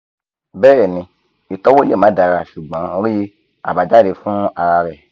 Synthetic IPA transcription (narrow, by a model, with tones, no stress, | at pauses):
bɛ˦˨nĩ˧ | i˨tɔ˦wo˦e˦˨mã˨˦da˧ɾa˧˨ʃu˨ɡ͡bɔ̃˨˦ɾi˦ | a̰˨ba˨d͡ʒa˦˨de˨˧fũ˦a˧ɾa˧ɾɛ˨